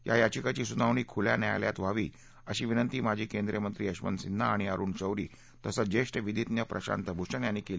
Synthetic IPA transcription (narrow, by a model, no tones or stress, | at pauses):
ja̰jat͡ɕikat͡ɕiːsunaʋɳ̃iːkʰulja̰nja̰jlja̰t̪ʋaʋiː | əɕiːʋinənt̪iːmad͡ʑʱiːkend̪ɾjəmənt̪ɾiːəɕmə̰nsinːaːɽ̃iaɾuːɳt͡ɕəwɾiː | t̪əsəd͡ʑeʂʈʋid̪ʱit̪njəpɾʔəɕa̰nt̪əbʱuʂəɳjanːiːkeliː